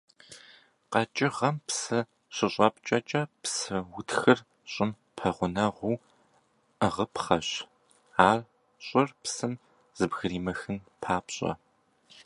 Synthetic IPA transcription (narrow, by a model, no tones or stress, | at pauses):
qɐt͡ʃʼɪʁɐmpsɨ | ɕɪɕʼɐp̚ʼt͡ʃʼɐt͡ʃʼɐpsɨwʊtʰxɨr | ɕʼɪm | pʰɐʁʷʊnɐʁʷuː | əʁəpχɐɕ | aːr | ɕʼʊrpsɨm | z̥ɨbɣɨɾiːmɐxɨnpʰaːpɕʼɐ̰